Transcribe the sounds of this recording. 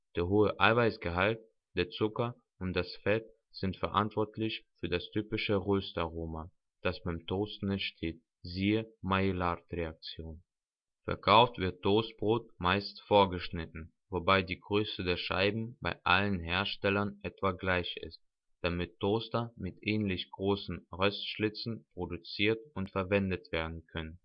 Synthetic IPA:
d̥eːɐɦoːəʔaɪvaɪsɡ̥əɦalt̚ | d̥eːɐt͡sʊkɐ | ʊntd̥asfɛt̚ | z̥ɪntfɛɐʔa̰ntv̥ɔɐtʰlɪçfyːɐdastʰyːpɪʃəʁøːstaʁoːma | d̥asb̥aɪmtʰoːstn̩ɛntʃtʰeːt̚ | ziːəmaelatʁeak̚t͡sjoːn | fɛ̰ɐkʰaʊftv̥ɪɐtʰːoːst̚b̥ʁoːtmaɪstfoːɐɡəʃnɪtn̩ | vobaɪdiːɡʁøːsədeːɐʃa̰ɪbm̩ba̰ɪʔa̰lənɦeːɐʃtɛlɐnʔɛtv̥aɡlaɪçɪ̰st̚ | d̥amɪtʰːoːstɐmɪtʔɛːnlɪçɡ̥ʁoːsn̩ʁœstʃlɪt͡sn̩pʁ̥odut͡siːɐtʊntfɛɐvɛndətv̥eːɐdn̩kʰœnən

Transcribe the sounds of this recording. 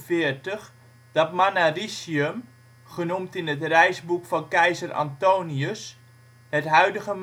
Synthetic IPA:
fɪərtəχ | d̥ɑtmanarisiəm | χənumtɪnɦətrɛjzbukfɑnkɛjzəra̰ntowniəs | hətɦœɥdəɣəm

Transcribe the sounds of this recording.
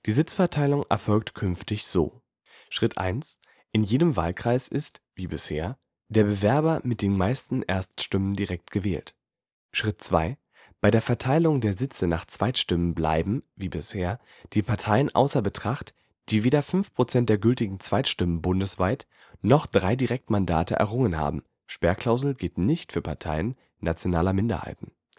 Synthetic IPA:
d̥iːzɪt͡sfɛɐtʰaɪlʊŋʔɛ̰ɐfɔlk̚tkʰʏnftɪçz̥o̰ː | ʃʁ̥ɪtʔa̰ɪns | ʔɪnjeːdəmva̰ːlkʁ̥aɪsʔɪstviːbɪsheːɐ | d̥eːɐbəvɛɐbɐmɪt̚d̥eːnmaɪstn̩ʔeːɐstʃtʏməndiʁɛk̚tɡ̥əvɛ̰ːlt | ʃʁ̥ɪtt͡sv̥a̰ɪ | b̥aɪɾeːɐfɛɐtʰaɪlʊŋdeːɐzɪt͡sənaːχt͡sv̥aɪtʃtɪmənbla̰ɪbm̩viːbɪsheːɐ | d̥iːpʰaɐtʰaɪənʔa̰ʊsɐbətʁ̥aχt | d̥iːveːdɐfʏnfpʁ̥ot͡sɛntd̥eɐɡʏltɪɡŋ̩t͡sv̥aɪtʃtɪmənbʊndəsv̥aɪt | nɔχd̥ʁaɪdiʁɛk̚tmanda̰ːtə̰ʔɛ̰ɐʁʊŋənɦa̰ːbm̩ | ʃpɛɐkl̥aʊzl̩ɡɪltnɪçtfyːɐpʰaɐtʰaɪən | nat͡sjonaːlɐmɪndɐ̰ha̰ɪtn̩

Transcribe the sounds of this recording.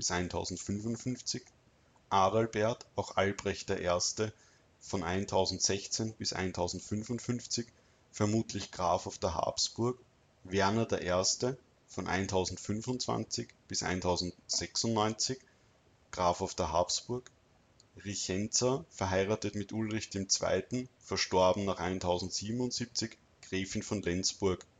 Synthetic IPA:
b̥ɪsʔæɪntʰaʊzn̩tfʏnvʊntfʏnft͡sɪç | ʔaːdalbɛɐtʔaʊxʔalbʁɛçt̚d̥eːɐʔeːɐstə | fɔnʔaɪntʰaʊzn̩tz̥ɛçt͡senb̥ɪsʔa̰ɪntʰaʊzn̩tfʏnvʊntfʏnft͡sɪç | fɛɐmuːtlɪçɡ̥ʁaːfaʊfd̥eːɐɦa̰ːpsb̥ʊɐk | vɛɐnɐdeːɐʔeɐstə | fɔnʔa̰ɪntʰaʊzn̩tfʏnvʊntt͡sv̥a̰nt͡sɪçb̥ɪsʔa̰ɪntʰaʊzn̩t̚z̥ɛksʊntnɔʏnt͡sɪç | ɡ̥ʁaːfaʊfd̥ɛɐɦa̰ːpsb̥ʊɐk | ʁiçɛnt͡sɐfɛɐɦaɪʁaːtətmɪtʔʊlʁɪçd̥eːmt͡sv̥a̰ɪtn̩fɐʃtɔɐbn̩naːχʔa̰ɪntʰaʊzn̩tz̥iːbm̩ʊntz̥iːp̚t͡sɪç | ɡ̥ʁeːfɪnfɔnlɛnt͡sb̥ʊɐk

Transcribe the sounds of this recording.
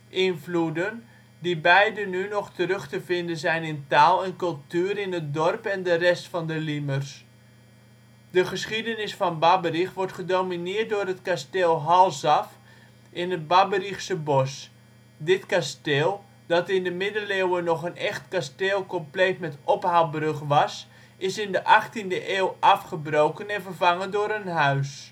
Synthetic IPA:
ʔɪnfludən | dibɛjdənynɔχtərøχtəvɪndənzɛjnɪntaːlˠɛnkɵlˠtyːɾɪnət̚dɔrpɛndərɛstfɑndəlimərs | dəχəsχidənɪsfɑnbabərixʋɔrtχədominɪət̚dʊːrətkastɪːlˠɦɑlˠsɑf | ɪnət̚babərixsəbɔs | dɪtkasteːlˠ | d̥ɑtɪndəmɪdəlewənɔχənɛχtkasteːlˠkɔmplejtmɛtɔphawbrøχʋɑs | ɪsɪndəʔɑχtindəʔeːwʔɑfχəbrowkənɛnvərvaŋəndʊːɾənɦœɥs

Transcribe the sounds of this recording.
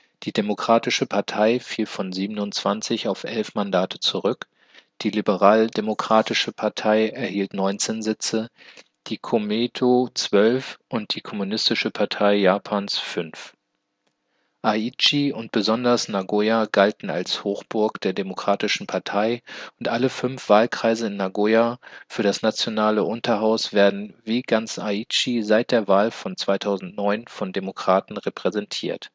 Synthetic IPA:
d̥iːdemokʁ̥aːtɪʃəpʰaɐtʰaɪfiːlfɔnziːbənʊnt͡sv̥ant͡sɪçaʊfʔɛlfmandaːtʰə̥t͡suʁʏk | d̥iːlibəʁaːldemokʁ̥aːtɪʃəpʰaɐtʰaɪɛɐhiːltnɔʏnt͡seːnzɪt͡sə | d̥iːkʰomeːtʰot͡sv̥œlfʔʊnt̚d̥iːkʰɔmunɪstɪʃəpʰaɐtʰaɪjaːpʰaːnsfʏnf | ʔait͡ʃiʊnt̚b̥əzɔndɐsnaɡojaɡaltn̩a̰lshoːxb̥ʊɐkd̥eːɐdemokʁ̥aːtɪʃn̩pʰaɐtʰaɪʊntʔaləfʏnfv̥aːlkʁ̥aɪzəɪnːaɡojafyːɐdasnat͡sjonaːləʔʊntɐɦaʊsv̥eːɐdn̩viːɡant͡sait͡ʃizaɪt̚d̥eːɐvaːlfɔnt͡sv̥aɪtʰaʊzn̩tnɔʏnfɔndemokʁ̥aːtn̩ʁepʁ̥ɛzɛntʰiːɐt

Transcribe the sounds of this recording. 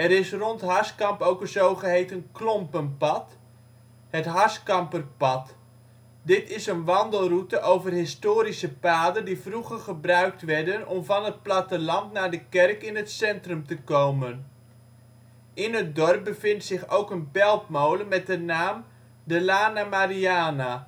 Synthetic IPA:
ɛɾɪsrɔntɦɑskɑmpowkənzowχəɦejtənklɔmpənpɑt | ɦətɦɑskɑmpərpɑt | dɪtɪsənʋɑndəlˠrutəʔowvərɦɪstoːɾisəpaːdəndivruχərχəbrœɥk̚tʋɛɹdənɔmvɑnɦət̚platəlɑntnaːɹdəkɛrkɪnɦətsɛntrɵmtəkowmən | ɪnɦət̚dɔrp̚bəvɪntsɪχowkənbɛlˠtmowləmɛt̚dənaːm | dəlaːnamaɾiaːna

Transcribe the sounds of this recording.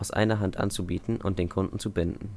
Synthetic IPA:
ʔaʊsʔa̰ɪnɐɦantʔa̰nt͡subiːtn̩ʔʊ̰nt̚d̥eːnkʰʊndn̩t͡subɪndn̩

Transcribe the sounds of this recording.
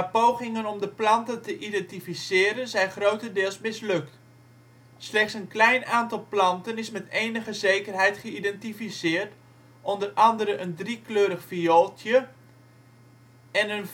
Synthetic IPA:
əpowχɪŋənɔmdəplɑntəntəʔidɛntifisɪːɾənzɛjnχrowtədɪːlˠsmɪslɵkt | slɛχtsənklɛjnaːntɑlˠplɑntənɪsmɛteːjnəχəzejkərɦɛjtχəidɛntifisɪːrt | ʔɔndərɑndəɾənʔəndrikløːɾəχfiolˠtʰjə | ɛnən

